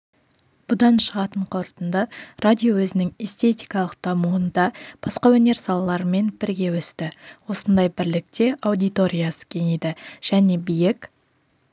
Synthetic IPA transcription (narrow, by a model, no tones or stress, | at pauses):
b̥ʊd̪ɑnʃəʁɑt̪əɴqʰo̞ɾt̪ənd̪ərad̪ʲijo̞wɵzɪnɪŋest̪e̞t̪ʲijkɑlˠəq̚d̪̥ɑmuənd̪ɑb̥ɑsqɑwɵne̞ɾsɑlˠɑlˠɑɾəme̞nbɪɾɡʲe̞wɵst̪ɪwo̞sənd̪ɑjbɪɾlɪk̚t̪e̞ʔɑwd̪ijt̪o̞ɾʲijasə̥kʲʰe̞ned̪ɪʒ̥æne̞bijɪk